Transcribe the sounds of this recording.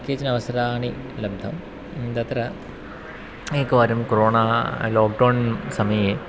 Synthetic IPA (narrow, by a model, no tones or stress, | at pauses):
kːeːt͡ɕːinɐʋɐsɐɾaːɳi | lɐbd̪ʱɐm | nd̪ɐt̪rɐ | ekːɐʋaːɾumkoɾoːɳaloːk̚ɖɐwɳsɐmɐje